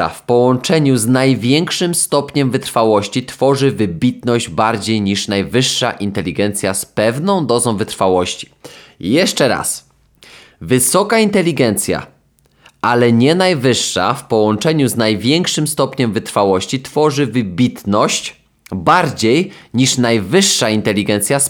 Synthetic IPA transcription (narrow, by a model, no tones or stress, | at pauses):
a̰fpɔwɔnt͡ʂɛɲuznajvʲjɛŋkʂɘmst̪ɔpɲɛmvɘt̪ɾfawɔɕt͡ɕit̪fɔʐɘvɘbʲit̪̚nɔʑd͡ʑbaɾd͡ʑejɲiʂnajvɘʂːa̰ʔint̪ɛlʲiɡɛnt̪sʲjaspɛvnɔ̃w̃d̪ɔzɔ̃w̃vɘt̪ɾfawɔɕt͡ɕi̥jɛʂt͡ʂɛɾa̰s | vɘsɔkaint̪ɛlʲːiɡɛnt̪sʲja̰ | ʔalɛɲɛnajvɘʂːa̰fpɔwɔnt͡ʂɛɲuznajvʲjɛŋkʂɘmst̪ɔpɲɛmvɘt̪ɾfawɔɕt͡ɕit̪fɔʐɘvɘbʲit̪nɔɕt͡ɕ | baɾd͡ʑejɲiʂnajvɘʂːaint̪ɛlʲiɡɛnt̪sʲjas